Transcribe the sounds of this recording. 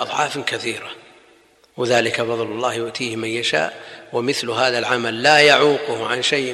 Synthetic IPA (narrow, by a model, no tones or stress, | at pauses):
ʔɑðˤʕɑːfkaθiːɾa | wɪðaːlɪkabɑðˤlʊlˤːɑːhjʊʔt̪ʰiːhmanjaʃa̰ːʔwɪmɪθlɦaːðalʕamalːaːjaʕuːqʊhʕanʃajʔ